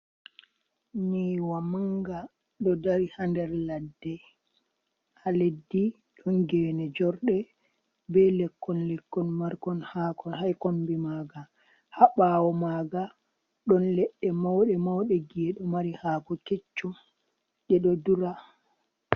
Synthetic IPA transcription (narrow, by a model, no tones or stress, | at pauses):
niwamaŋɡa | ɗɔdaɾihandɛɾladːɛ | haledːi | ɗɔnɡɛːnɛd͡ʒɔɾɗɛ | bɛlɛkːɔnlɛkːɔnmaɾkɔnhakɔnhajkombimaɡa | haɓawɔmaɡa | ɗɔnlɛɗːɛmawɗɛmawɗɛɡɛɗɔmaɾihaːkɔket͡ʃːɔ | ɗɛɗɔduɾa